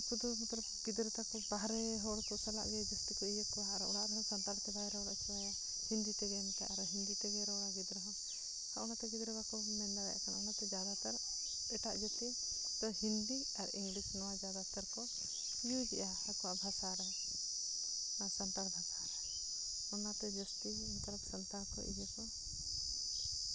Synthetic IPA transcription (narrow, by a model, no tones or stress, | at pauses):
kud̪umɔt̪ɾɔpɡid̪ɾɛt̪akɔbaɦɾɛɦɔɽkɔsala̰ʔd͡ʒɔd͡ʒusʈ̪ikɔijəkɔɦaʔɾɔɔɽaʔɾɛɦɔ̃sant̪aɾt̪ɛbajɾɛɔɽaʔt͡ʃʰɛa | hind̪it̪ɛɡɛnk̪aʔaɾɔɦind̪it̪ɛɡɛɾɛɔɽaɡid̪ɾɔɦɔ̃ | haʔɔnat̪ɛɡid̪ɾɛbakɔ | mɛndaɾɛ̰ʔkanaɔnat̪ɛd͡ʒad̪at̪ɛɾ | ɛʈaʔd͡ʒɔt̪ɛ | t̪ɔhind̪i | aɾiŋɡlisnɔwad͡ʒad̪at̪aɾkɔ | ijud͡ʒɛʔa | akɔwaʔbʱasaɾɛ | sant̪aɾbʱasaɾɛ | ɔnat̪ɛd͡ʒɔst̪i | t̪ɔɾɔp̚sant̪aɾkɔ̰ʔiɦɛkɔ